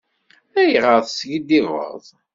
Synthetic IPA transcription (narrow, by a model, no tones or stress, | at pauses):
æjʁəðsɡid̪ivə̰ðˤ